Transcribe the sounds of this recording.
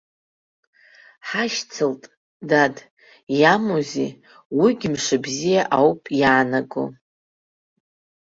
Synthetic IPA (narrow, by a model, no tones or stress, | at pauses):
ħaʃt͡sʰɨltʼ | dad | jamozḭ | wiɡʲɪmʂɨbzijaʔawpʼjaːnaɡo̰